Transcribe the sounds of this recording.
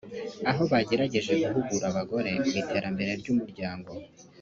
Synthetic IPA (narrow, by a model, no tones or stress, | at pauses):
aɦo̞βaɟe̞ɾaɟe̞ʒe̞ɡuɦuɡuɾaβaɡo̞ɾe̞witʰe̞ːɾambe̞ɾe̞ɾɟuːmuɾɟaːŋɡo̞